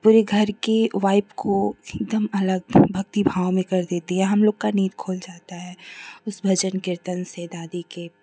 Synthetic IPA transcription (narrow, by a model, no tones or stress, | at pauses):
puːɾeɡʱɐɾkeʋaːɪpkʰoɪk̚d̪əmɐləɡ̚bʱɐk̚t̪ibʱaːʋomẽkɐɾd̪eːt̪eɦɛ̃ɦɐmloːɡkaniːt̪̚kʰoːld͡ʒaːt̪aɦɛːʊsbʱɐd͡ʒənkɪɾt̪ənsed̪aːd̪ike